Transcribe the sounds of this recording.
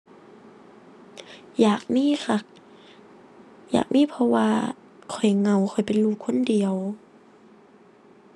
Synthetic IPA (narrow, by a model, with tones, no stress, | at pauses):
jaː˨˩k̚miː˧˥˨xa˧˩k̚ | ja̰ː˨˩k̚miː˧˥˨pʰɔ˧waː˧ | kʰɔ˨˩jŋa˧˩wxʰɔ˨˩jpe˨nluː˧˩kʰːo˧˥˨ndi˨˩əw